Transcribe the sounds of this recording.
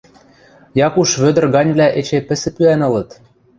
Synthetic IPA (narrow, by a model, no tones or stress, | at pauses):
jɑkuʃβød̪ə̆rɣɑnʲβlʲæʔet͡ɕepɘ̆sɘ̆pyænɤ̆lɤ̆t̪